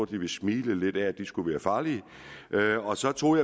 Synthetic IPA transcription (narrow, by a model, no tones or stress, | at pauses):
ɐd̥iʋe̝smiːləle̝d̥ææd̥isɡ̥uʋæːɐfɑ̈ːliə | ʔøɒ̽sɒ̽t͡sʰo̝̰ːjɑ